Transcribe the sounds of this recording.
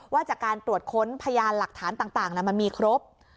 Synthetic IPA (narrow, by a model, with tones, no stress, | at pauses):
waː˥˩t͡ɕaː˨˩kːaː˧nt̪ɾu˨˩ət̪̚kʰo˦˥npʰa˧jaː˧nla˨˩k̚t̪ʰaː˩˦nt̪aː˨˩ŋt̪aː˨˩ŋlɛ˧˩ma˧nmiː˧kʰɾo˦˥p̚